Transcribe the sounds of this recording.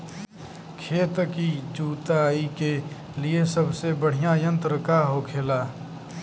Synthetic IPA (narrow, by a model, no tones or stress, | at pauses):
kʰeːt̪kid͡ʒuːt̪aike | liesəbsebəɽ̤ijãjə̃nt̪ɾəkaɦokʰeːlaː